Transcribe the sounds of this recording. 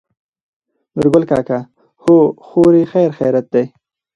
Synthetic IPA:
mʊɾɡʊlka̰ːka | hoxoɾixajɾxḛjɾat̪̚d̪ej

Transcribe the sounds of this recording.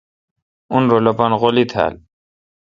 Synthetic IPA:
unɾolopanɣolit̪ʰa̰l

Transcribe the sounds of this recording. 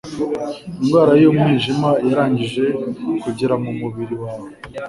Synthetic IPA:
imɡwaːɾajomŋiːʒimajaɾaːɲɟiʒe̞kuɟiɾamumuβiɾiwaːwo

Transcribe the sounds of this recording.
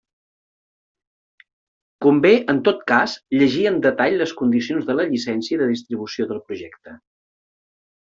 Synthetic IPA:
kumbeʔənt̪ot̪kasʎəʒiənd̪ət̪aʎləskund̪isionzðələʎisɛnsiəðəðist̪ɾiβ̞usioðəlˠpɾuʒɛkt̪ə

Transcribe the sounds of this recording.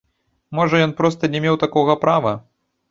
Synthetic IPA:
mɔʐɐjɔnpɾɔst̪ɐnʲɛmʲewt̪akɔɣɐpɾʔavɐ

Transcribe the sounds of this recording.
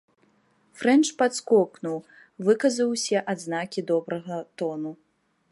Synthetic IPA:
fɾɛnt͡ʂpat̪skɔknuw | vɨkɐzɐwsʲɛʔad̪znakʲid̪ɔbɾɐɣɐt̪ɔnu

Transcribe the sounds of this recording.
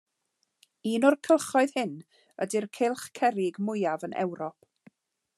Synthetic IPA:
iːnɔrkʰəlˠχɔɨðhɪn | ə̰dirkʰɪlˠχkʰɛɾɪɡmʊjavənʔɛ̰wɾɔp̚

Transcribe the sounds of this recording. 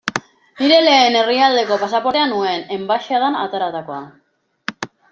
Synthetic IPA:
niɾe̞le̞ːne̞riald̪e̞ko̞pasapo̞ɾt̪eanue̞ne̞mbaʃaðana̰t̪aɾat̪ako̞a

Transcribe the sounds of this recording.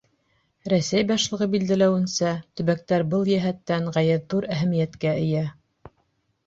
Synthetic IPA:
ɾæsæjbɑʃlˠɤ̆ʁɤbild̪ælæwɘ̆nsæt̪ɵ̆βæk̚t̪æɾbɤlˠjæɦæt̪ːæŋʁæjɘɾðuɾæɦæmĭjæt̪kæɘ̆jæ

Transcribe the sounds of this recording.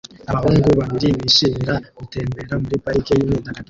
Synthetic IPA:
aβahuːŋɡuβaβiɾiβiʃimiɾakute̞ːmbe̞ɾamuɾipaɾikejumiːndaɡaɡi

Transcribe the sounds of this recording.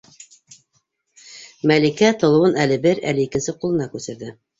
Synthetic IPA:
mælikæt̪ŏlˠɤ̆wɤnælɘbɘɾæ̰lɘikɘ̆nsɘqulˠɤ̆nɑkʉsɘ̆ɾðɘ

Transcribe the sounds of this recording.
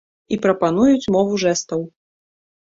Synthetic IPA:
ipɾɐpan̪ujut͡sʲmɔvuʐɛst̪ɐw

